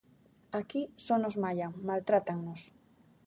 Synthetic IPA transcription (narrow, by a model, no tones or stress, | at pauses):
akisɔnozmaʎaŋmalt̪ɾat̪aŋnos